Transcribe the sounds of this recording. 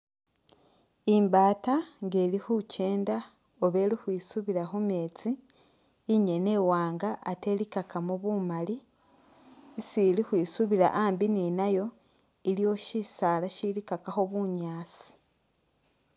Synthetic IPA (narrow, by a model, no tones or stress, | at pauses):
imbaːtaŋɡe̞ːlixuce̞ːnda | oβe̞lixwiːsuβiɾaxume̞ːt͡siː | ɲene̞ːwaːŋɡaʔːtelikakamuβumali | silixwiːsuβiɾa̰ʔaːmbininajo̞ | ilio̞ʃisaːlaʃilikakaxoβuɲaːt͡si̥